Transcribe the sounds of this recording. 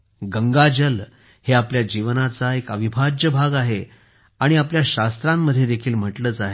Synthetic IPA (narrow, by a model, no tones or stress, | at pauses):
ɡəŋɡad͡ʑəl | heapljad͡ʑiʋnat͡saekəʋibʱad͡ʑjəbʱaɡaɦe | aɽ̃iapljaɕast̪ɾamːəd̪ʱːjed̪ekʰiːlm̤əʈləːt͡saɦe